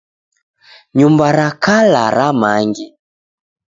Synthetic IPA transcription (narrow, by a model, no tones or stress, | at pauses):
ɲumbaɾakalaɾamaŋɡɛ